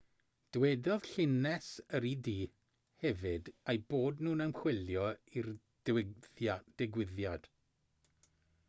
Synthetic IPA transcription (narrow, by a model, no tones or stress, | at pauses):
d̥wɛdɔðɬɪnɛsəɾidiː | hɛvɨdajboːdnuːnəmχw̥ɪljɔir | d̥ɛɡwɪðjad̥